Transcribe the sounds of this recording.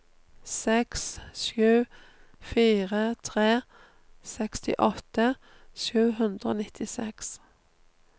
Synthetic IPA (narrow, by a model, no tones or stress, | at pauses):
sɛksʃʉː | fiːʁət̪ʰʁeː | sɛkst̪ɪ̰ʔɔt̪ə | ʃʉːhʉnd̪ʁəo̰ːnɪt̪ʰɪsɛks